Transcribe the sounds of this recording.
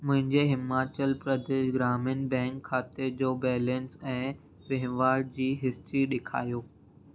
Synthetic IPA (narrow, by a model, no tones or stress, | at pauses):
mʊ̃ɦɪ̃ɲd͡ʑeɦɪmaːt͡ɕəlpɾəd̪eːʃɡɾaːmɪnbɛ̃ːŋkʰːaːt̪ed͡ʑoːbɛːlə̃nsɛ̃ː | ʋeɦʋaːɾɖ̚d͡ʑiːɦɪst̪ɾiɗekʰa̰ːjoː